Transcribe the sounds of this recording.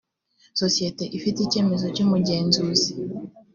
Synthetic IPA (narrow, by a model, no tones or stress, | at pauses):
so̞sijete̞ʔifiteice̞ːme̞zo̞cumuɟe̞ːnzuːzi